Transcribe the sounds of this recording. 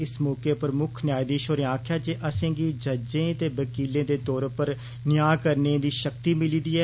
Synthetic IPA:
ɪsmɔːkeːpəɾmʊkʰnjaːjd̪iːʃoːɾeãːkʰjaːd͡ʒeːʔəsẽːɡiːd͡ʒəd͡ʒẽːt̪eːʋəkiːlẽːd̪eːt̪ɔːɾpəɾ | nɪjaːkəɾnẽːd̪iːʃəkt̪iːmɪliːd̪iːɛː

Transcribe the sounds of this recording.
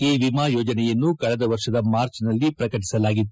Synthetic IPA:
iːʋimaːjɔːd͡ʒɐnɛjɐnːukɐɭɛd̪ɐʋɐɾʂɐd̪ɐmaːɾt͡ʃnɐlːipɾɐkɐʈ̬i̥sɐlaːɡit̪ːu

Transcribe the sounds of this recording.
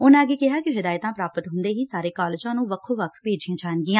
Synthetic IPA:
ʊnãːəɡeːkɪɦaːkɪɦɪd̪aːɪt̪ãːpɾaːpət̪ɦʊnd̪eːɦiːsaːɾeːkɔːlːd͡ʒãːnũːʋəkʰoːʋəkʰpeːd͡ʒiãːd͡ʒaːnɡɪːãː

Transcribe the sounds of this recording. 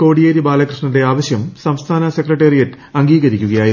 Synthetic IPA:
ko̞ːɽijeːɾibaːlɐkrɨʂɳɐnde̞aːʋɐɕjɐmsɐmst̪ʰaːnɐsekrɐʈːeːrijɐtːɨ | ɐŋɡiːɣɐɾikʲːuɣɐjaːji

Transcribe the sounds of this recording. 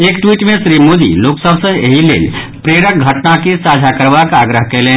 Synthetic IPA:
ekʈwiʈmẽsɾimod̪ḭloksəbʱsə̃ḛɦilḛl | pɾeɾək̚ɡʱəʈnakesad͡ʒʱakəɾbakaɡɾəɦkɛlẽn

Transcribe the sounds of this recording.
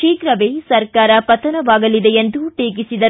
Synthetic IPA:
iːkɾɐʋeːsɐɾkaːɾɐpɐt̪ɐnɐʋaːɡɐlid̪ejend̪uʈeːk̬isid̪ɐ

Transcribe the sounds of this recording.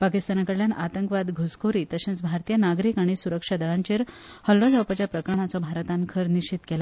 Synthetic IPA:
pakist̪anakəɽljanat̪əŋkʋad̪ɡʱoskʰoɾiːt̪əɕẽnt͡sbʱaɾt̪ijənaɡɾiːkaɽ̃isuɾəkʂad̪əɭaɲt͡ɕeɾhəlːɔd͡zawpat͡ɕjapɾəkɾəɳat͡sɔbʱaɾt̪ankʰəɾniɕt͡ɕit̪kela

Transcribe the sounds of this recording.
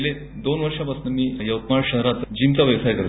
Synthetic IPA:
le | d̪onʋəɾʂapəsnəmiːjɐwkmaɭɕəɦɾat̪d͡ʑint̪aʋjɐʋsajkəɾ

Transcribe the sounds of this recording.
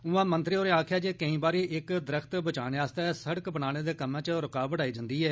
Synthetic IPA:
ʊːãːmənt̪ɾioːɾeːãːkʰjaːd͡ʒeːkəĩːbaːɾiːʔɪkd̪əɾəkʰt̪bət͡ʃaːɽeːaːst̪ɛːsəɽəkbəɳaːñeːd̪eːkəmãːt͡ʃɾəkaːbəʈaːiːd͡ʒənd̪iːɛː

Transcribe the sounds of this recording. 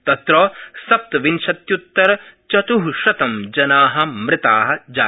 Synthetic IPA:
t̪ɐt̪ɾoːsɐp̚t̪ɐʋinʃɐt̪jut̪ːɐɾɐt͡ʃɐt̪uɦʃɐt̪ɐmd͡ʒɐnaːɦɐ̆mɾɪt̪aːɦɐ̆d͡ʒaː

